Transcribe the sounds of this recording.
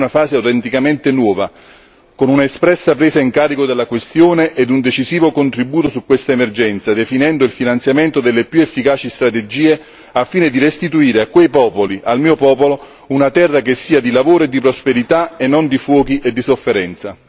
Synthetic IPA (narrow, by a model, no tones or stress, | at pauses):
nafaːzeawt̪ɛnt̪ikament̪enwɔːva | konunaespɾɛsːapɾeːzaiŋkaːɾikod̪elːakwest̪joːneʔed̪und̪et͡ʃiziːvokont̪ɾibuːt̪osukːwest̪aemerd͡ʒɛnt̪sad̪efinɛnd̪oilfinant̪sjament̪od̪elːepjuefːikaːt͡ʃist̪ɾat̪ed͡ʒiːe | afːiːned̪irest̪it̪uiːɾeakːwejpɔːpoliʔalmiːopɔːpolo | unat̪ɛrːakesːiːad̪ilavoːɾoed̪ːipɾospeɾit̪aenːond̪ifwɔːkiʔed̪ːisofːeɾɛnt̪sa